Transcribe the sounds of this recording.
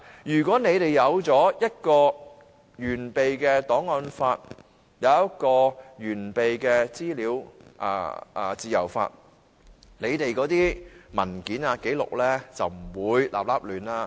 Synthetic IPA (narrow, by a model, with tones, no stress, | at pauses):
jyː˨˩kʷwɔː˨˥ne˨˧jt̪e˨jːɐ˨˧wt͡sɔː˨˥jɐ˥t̚kɔː˧ | jyː˨˩npe˨jkɛː˧t̪ɔː˨˥ŋɔː˧nfaː˧t̚ | jɐ˨˧wjɐ˥t̚kɔː˧jyː˨˩npe˨jkɛː˧t͡siː˥liː˨˧wʔa̰ː˧ʔa̰ː˧˩t͡siː˨jɐ̰˨˩wfa̰ː˧t̚ | ne˨˧jt̪e˨jkɔː˨˧˥t̪iː˥mɐ˨˩nkiː˨˥naː˧ke˨˥jlʊ̰˨k̚lɛː˥t͡sɐ˨wm̩˨˩wuː˨˧jlʔa̰ː˨p̚laː˥p̚lyː˨nlaː˧